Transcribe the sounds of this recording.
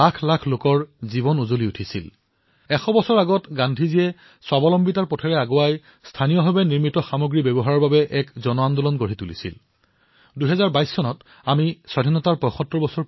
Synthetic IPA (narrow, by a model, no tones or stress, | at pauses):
akʰlakʰlokɔɹzibɔnuzoliutʰisḭl | ɛxɔbɔsɔɹaɡɔtɡandʱiziɛ | swabɔlɔmbitaɹpɔtʰɛɹɛaɡoaj | stʰanijɔɦɔbɛniɹmitɔxamoɡɹibɛbɔɦaɹɔɹbabɛʔɛkzɔnɔandɔlɔnɡoɹitulḭsḭl | duɦɛzaɹbajsːɔnɔt | amisadʱinɔtaɹpɔjxɔtːɹɔbɔsɔɹ